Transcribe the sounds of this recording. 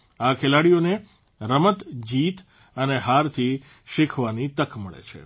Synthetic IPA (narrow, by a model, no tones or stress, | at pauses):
akʰelaɽijone | ɾəmət̪d͡ʒit̪ | əneɦaɾt̪ʰi | ʃɪkʰʋanit̪əkʰməɭḛt͡ʃʰḛ